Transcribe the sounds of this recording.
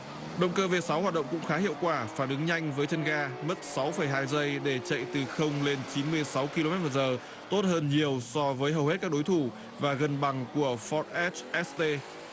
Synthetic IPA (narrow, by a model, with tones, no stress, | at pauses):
ɗə̰˧˨wŋ͡mkəː˧ve˨˩sa˨˦whaː˨˩t̚ɗə̰˧˨ŋ͡mkʊ̰˧˥ŋ͡mxaː˨˦hḭ˧˨əwkwaː˧˩faː˧˩nʔɨ˨˦ŋɲa˧jŋ̟vəː˨˦jt͡ɕʰə˧nɣaː˧mə˦˥t̚sa˨˦wfə˧˩jɦaː˧jzə˧jɗe˧˩t͡ɕə̰˧˨jt̪ɨ˨˩xə˧wŋ͡mle˧nt͡ɕi˨˦nmɨ˧əjsa˨˦wki˧lo˧mɛ˦˥t̚muː˨˩zəː˨˩ | t̪o˦˥t̚həː˧nɲi˨˩əwsɔ˧vəː˨˦jɦə˨˩whe˦˥t̚kaː˦˥k̚ɗo˨˦jt̪ʰu˧˩ | vaː˨˩ɣə˨˩nɓa˨˩ŋku˧˩əfɔ˦˥t̚ʔɛ˦˥t͡ɕʔɛ˦˥st̪e˧